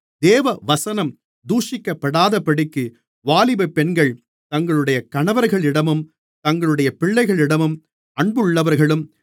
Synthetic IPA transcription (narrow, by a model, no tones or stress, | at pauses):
d̪eːʋɐʋɐsɐnɐm | d̪uːʂɪkːɐpːɐɽaːðɐpːɐɽɪkːɯ | ʋaːlɪbɐpːɛnɡɐɭ | t̪ɐŋɡɐɭɯɽɐjɐkɐɳɐʋɐɾɣɐɭɪɽɐmɯm | t̪ɐŋɡɐɭɯɽɐjɐpɪɭːɐɪɣɐɭɪɽɐmɯm | ɐɳbɯɯɭːɐʋɐɾɣɐɭɯm